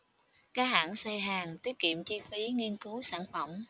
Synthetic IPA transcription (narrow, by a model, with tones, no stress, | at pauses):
kaː˨˥ha̰ː˧˥˨ŋsaː˧jɦaː˨˩ŋt̪i˦˥ət̚kḭ˧˨əmt͡ɕi˧fi˨˦ŋi˧ənkɨ˨˦saː˧˩nfə˧˩ŋ͡m